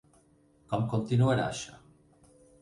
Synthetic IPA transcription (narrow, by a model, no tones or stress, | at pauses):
kɔmkont̪inueɾa̰ʃa